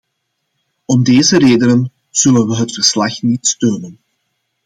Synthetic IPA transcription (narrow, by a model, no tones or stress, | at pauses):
ɔmdeːzəɾeːdənən | z̥ɵlənʋəɦətfərslɑxnitstøːnən